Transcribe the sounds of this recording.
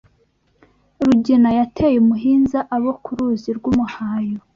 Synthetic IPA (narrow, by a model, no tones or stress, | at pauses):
ɾuɟinajatʰejemuɦiːnzaʔaβo̞kʰuɾuːziɾɡwumuhaːjo